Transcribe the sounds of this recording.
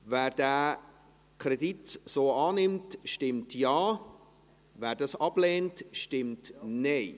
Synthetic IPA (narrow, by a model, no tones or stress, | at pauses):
væːɾdæː | kʰrɛditsoːɑːnɪmtʃtɪmtjɑː | væːɾdɑsɑb̥leːntʃtɪmtneɪ